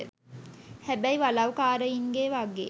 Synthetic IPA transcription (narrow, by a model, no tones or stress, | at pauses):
ə | hæbɛjiʋalawkaːɾəiŋɡeːʋaɡḛː